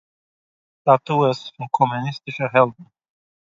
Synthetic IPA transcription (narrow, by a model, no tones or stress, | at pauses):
t̪at̪uɛsfɔnkʰɔmunɪst̪ɪʃəɦɛld̪n̩